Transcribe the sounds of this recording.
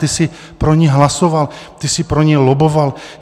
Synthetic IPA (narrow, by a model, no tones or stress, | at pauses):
t̪ɪsɪ | pɾo̞ɲɛɦlasovalt̪ɪsɪpɾoɲɛjloboval